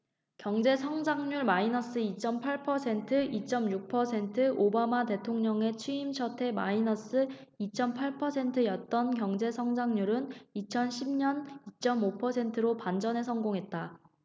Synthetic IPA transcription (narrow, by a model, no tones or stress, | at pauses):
kjʌŋd͡ʑe̞sʰʌŋd͡ʑaŋɲuɭmainʌs͈ɯit͡ɕ͈ʌmpʰaɭpʰʌsʰe̞ntʰɯʔit͡ɕ͈ʌmjuk̚pʰʌsʰe̞ntʰɯʔobamate̞tʰoŋɲʌŋe̞t͡ɕʰiimɕʰʌtʰe̞ma̰inʌs͈ɯit͡ɕ͈ʌmpʰaɭpʰʌsʰe̞ntʰɯjʌt̚t͈ʌnkjʌŋd͡ʑe̞sʰʌŋd͡ʑaŋɲuɾɯnit͡ɕʰʌnɕʰimɲʌnit͡ɕ͈ʌmopʰʌsʰe̞ntʰɯɾopand͡ʑʌne̞sʰʌŋɡoŋɦe̞t̚t͈a